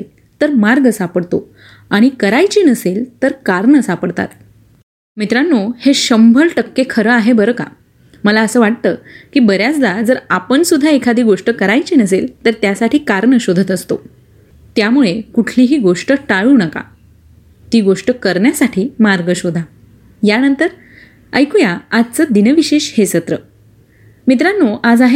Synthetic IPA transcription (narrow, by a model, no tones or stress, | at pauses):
l | t̪əɾmaɾɡəsapəɽt̪o̰ | aɽ̃ikəɾajt͡ɕiːnəselt̪əɾkaɾɳəsapəɽt̪a̰t̪ | mit̪ɾanːoheɕəmbʱəlʈəkːekʰəɾəaɦebəɾəka̰ | məlaəsəːʋaʈ̚t̪əːkiːbəɾjat͡sd̪ad͡zəɾapəɳsud̪ʱːaekʰad̪ʱiːɡoʂʈəkəɾajt͡ɕinəselt̪əɾt̪jasaʈʰiːkaɾɳəɕod̪ʱət̪əst̪o | t̪jamuɭekuʈʰliːɦiːɡoʂʈəʈaɭuːnəka̰ | t̪iːɡoʂʈəkəɾɳjasaʈʰiːmaɾɡəɕod̪ʱa | janənt̪əɾ | əjkujaad͡zt͡səd̪inəʋiɕeɕhesət̪ɾə | mit̪̬ɾanːoʔad͡zaɦe